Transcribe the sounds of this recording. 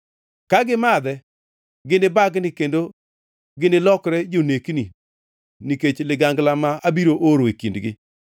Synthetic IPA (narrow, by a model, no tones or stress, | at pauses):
kaɡɪmad̪ɛ | ɡɪnɪbaɡnɪkendo | ɡɪnɪlɔkɾɛd͡ʒonekni | niket͡ʃlɪɡaŋɡlamaabiɾoʔoɾoekindɡɪ̰